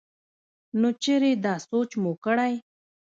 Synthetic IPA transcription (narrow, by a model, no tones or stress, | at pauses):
not͡ʃeɾed̪ɑsot͡ʃmokəɽaj